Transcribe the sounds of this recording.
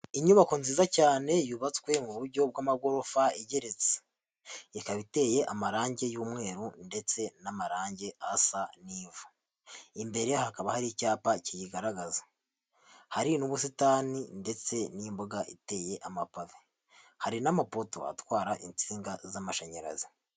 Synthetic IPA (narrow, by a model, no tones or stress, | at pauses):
iɲuβakunziːzacaːne̞juβat͡swe̞muβuɾɟo̞b̚wamaɡo̞ɾo̞faiɟe̞ɾet͡se̥ | ikaβite̞je̞ʔamaɾaːɲɟe̞juːmŋe̞ːɾunde̞t͡se̞namaɾaːɲɟe̞asaniːvu | imbe̞ɾe̞hakaβahaɾicaːpacijiɡaɾaɡaza | haɾinuβus̬itaːninde̞t͡se̞nimboɡaʔite̞ːje̞ʔamapave | haɾinamapoto̞̰a̰twaːɾaʔint͡siːŋɡazamaʃaɲaɾa̰zi